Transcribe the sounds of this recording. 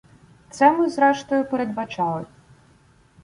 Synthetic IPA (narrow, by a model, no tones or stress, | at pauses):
t̪sɛmɨzɾɛʂt̪ɔjʊpɛɾɛd̪bat͡ʃalˠɐ